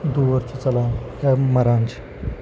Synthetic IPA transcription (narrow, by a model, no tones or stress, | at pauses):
d̪uʋəɾt͡ɕit͡səlajaməɾãnt͡ɕi̥